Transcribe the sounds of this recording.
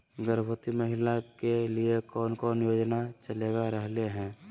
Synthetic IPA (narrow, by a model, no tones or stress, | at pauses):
ɡəɾbʱət̪iməɦɪlakeliekɔːnkɔːnjoːd͡ʒnat͡ʃəleːɡaɾəɦleɦɛ̃ː